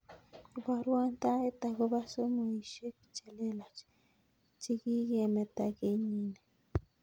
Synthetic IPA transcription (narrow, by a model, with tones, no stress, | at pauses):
ba˦ɾwa˦nt̪a˦e˦t̪a˨ɣo˦ba˦so˦mo˨i˨ʃe˦ki̥˨t͡ʃe˨le˦la˨t͡ʃ | t͡si˦ɡi˦ɡe˨me˨t̪a˨ɡe˦ɲi˦ne˨